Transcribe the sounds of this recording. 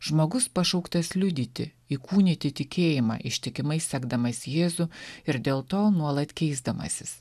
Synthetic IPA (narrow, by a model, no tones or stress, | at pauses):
ʒmoːɡʊspɐʃɐʊkt̪ɐslʲʊd̪ʲiːt̪ʲɪ | iːkʰuːnʲɪt̪ʲɪt̪ʲɪkʲʰeːjɪmɑ̰ːʔɪʃʲt̪ʲɪkʲɪmɐɪsʲsʲæːɡd̪ɐmɐsʲjeːzʊɪɾd̪ʲeːlˠt̪oːnuɔlˠɐt̪ʲkʲɛɪzd̪ɐmɐ̰sʲɪs